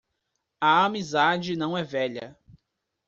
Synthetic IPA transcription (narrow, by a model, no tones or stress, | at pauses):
ɐamizad͡ʒɪnɐ̃w̃ɛvɛʎɐ̰